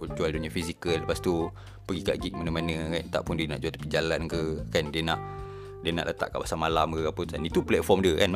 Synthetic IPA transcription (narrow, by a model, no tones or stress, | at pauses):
unt͡ʃualdonəfisikələpast̪u | pəɡika̰ʔɡit̪̚manamanə̃kant̪a̰ʔpʊndiəna̰ʔd͡ʒuat̪əpid͡ʒalankəkandiənaʔ | diənaʔlʔət̪a̰ʔka̰ʔpasaŋmalamkəapət̪anit̪uplɛt̪̚fɔmdiəkan